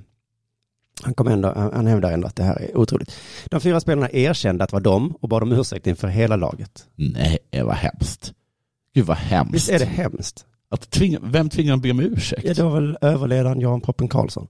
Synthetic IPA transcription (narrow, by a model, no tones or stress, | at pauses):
hankʰɔməɛnd̪ɔ̰aha̰nhɛvd̪aɾɛnd̪o̰at̪d̪ɛɦæ̰ːɾɛ̰ɾuːt̪ʰɾṵːlɪt̪d̪̥ɔmfyːɾaspeːlaɳaʔeːɾɕɛnd̪əat̪vɑɖd̪ɔmɔbɑːd̪ɔmʉ̟ːɾʂɛ̰k̚t̪ɪnfœɾɦeːlalɑ̰ːɡət̪nɛjɛ̰va̰hɛ̰mst̪ | ɡ̥ʉ̟ːd̪vahɛ̰mvɪst̪ɛɖɛhɛmst̪ | at̪ʰːvɪŋːavɛmt̪ʰvɪŋːadbeːmɛʉ̟ːʂɛkjɑd̪ɛvaɾvɛløːvəɭeːd̪aɾənjɑːhanpʰɾɔpːənkʰɑ̰ːlsɔ̰n